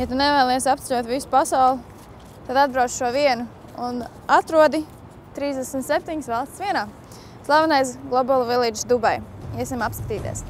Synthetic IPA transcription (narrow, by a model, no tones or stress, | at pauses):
jat̪unɛvaːlˠijsap̚t̪ɛlʲuɔt̪visu̥pasaʊlˠu | t̪ad̪ad̪̚bɾaw̪ʃuɔviɛnu | un | at̪ɾuɔd̪i | t̪ɾiːzd̪ɛsmt̪sep̚ʲt̪iɲsvalˠst̪sviɛnaː | slˠavanajs̬ɡlˠɔbɔlˠvilˠiːd͡ʒsd̪ubajɛsʲimapskḁt̪iːt̪ḭɛs